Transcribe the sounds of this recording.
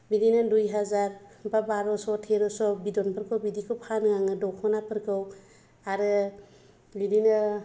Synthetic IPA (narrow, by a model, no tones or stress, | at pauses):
bidinɯdujɦazaɾbabaɾɔsɔtʰeɾɔsɔbidɔnpʰɯɾkʰɯwbidikʰɯwpʰanɯŋaŋɯdɔwkʰɔnapɯɾkʰɯw | aɾɯ | bidinɯ